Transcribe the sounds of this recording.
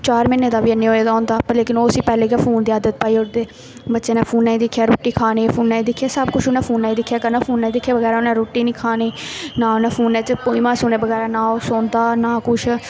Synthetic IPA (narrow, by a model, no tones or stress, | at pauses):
t͡ʃaːɾmɪnːeːd̪aːʋiːənːeːɦoːeːd̪aːɦʊ̃nd̪aːpːleːkɪnoːsiːpɛːleːkapʰoːnd̪iːaːd̪ət̪̚paːiːoɾt̪eː | bətːʃeːnãːpʰuːnːaːĩd̪ɪkʰːjaːɾoːʈːiːkʰaːneːpʰuːnːaːiːd̪ɪkʰːijaːsəbkʊt͡ʃʰʊnãːpʰuːnːaːiːd̪ɪkʰːjaːkəɾnaːpʰuːnːaːiːd̪ɪkʰːjaːʋəɡɛːɾaonãːɾoːʈːiːnĩːkʰaːneːnaːonãːpʰuːnːɛːt͡ʃpoːiːmãːsʊːneːbəɣɛːɾaːnaːoːsoːnd̪aːnaːkʊt͡ʃʰ